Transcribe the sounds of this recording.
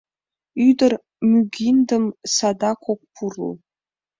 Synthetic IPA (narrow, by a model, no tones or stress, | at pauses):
ydər | myɡʲindəmsadakʷʰok̚ʷpʰurlṵ